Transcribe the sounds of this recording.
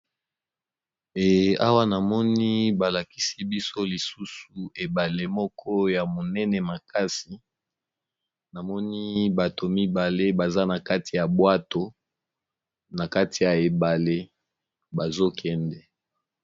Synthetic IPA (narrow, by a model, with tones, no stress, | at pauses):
e˨a˦wa˦na˨mɔ˦ni˦ba˨la˨ki˦si˦bi˦so˦li˨su˦su˨e˨ba˨le˦mɔ˦kʰɔ˦ja˨mo˨nɛ˦nɛ˨ma˨ka˦si˨ | na˨mɔ˦ni˦ba˨to˨mi˦ba˨le˦ba˨za˦na˨ka˦ti˨ja˨bwa˦to˨ | na˨ka˦ti˨ja˨e˨ba˨le˦ | ba˨zo˦kʰɛ˦ndɛ˨